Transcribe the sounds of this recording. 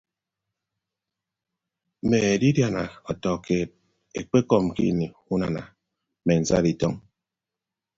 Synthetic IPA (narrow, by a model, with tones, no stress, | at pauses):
me˨e˨di˦dja˨na˨ɔ˨tɔ˨ke˦˨t̚ | ḛ˨k͡pe˦kɔ˦m̩˨kḭ˦˨ni˨u˦na˨na̰˨ | me˨n̩˨za̰˦di˨tɔ˦ŋ